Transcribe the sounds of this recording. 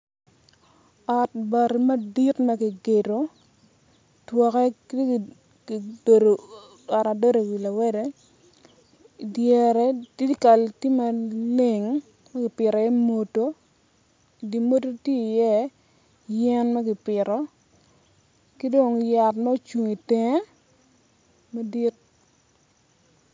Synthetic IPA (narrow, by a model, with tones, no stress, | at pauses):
ɔ˨t̚ba˨ɾi˨mɐ˦di˦tma˦ɡi˨ɡe˨ɾo˨ | twɔ˨kɛ˦kte˦˨ | be˨do˨ | a˨ɾa˨do˦ɾe˨wi˨la˨wɛ˦de˦ | djɛ˨ɾɛ˨ti˦ka˨lti˦ma˨le˦˨ŋ | mɛ˦ɡɪ˨pɪ˨ɾɔ˨jɛ˦mo˨to˦ | i˨di˨mo˦to˦tje˦i˨jɛ˦ | jɛ˦nmɛ˦ɡɪ˨pɪ˨ɾɔ˨ | ki˦do˨ŋja˨tmɛ˦o˦t͡ʃu˨ŋi˨te˨ŋe˦ | ma˦di˦t̚